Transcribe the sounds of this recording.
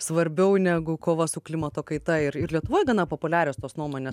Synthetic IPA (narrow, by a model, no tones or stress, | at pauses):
sʋɐɾʲbʲɛʊnʲæːɡʊkoːʋɐsʊklʲɪmɐt̪oːkɐɪt̪ɐɪɾɪɾlʲiɛt̪ʊʋoːjɛɡɐnɐpoːpʊlʲæːɾʲoːst̪oːsnuɔmoːnʲeːs